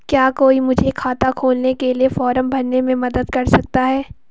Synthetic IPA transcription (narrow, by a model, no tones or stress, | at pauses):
kjaːkoːimʊd͡ʒʱekʰaːt̪akʰoːlnekeliefɔːɾəmbʱɐɾnemẽmɐd̪əd̪̚kɐɾsɐk̚t̪aɦɛː